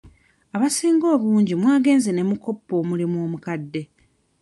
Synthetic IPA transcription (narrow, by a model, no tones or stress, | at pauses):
aβasiːŋɡo̞ːβuːɲɟimwaːɡe̞ːnzene̞muko̞pːo̞ːmulimwo̞ːmukadːe̞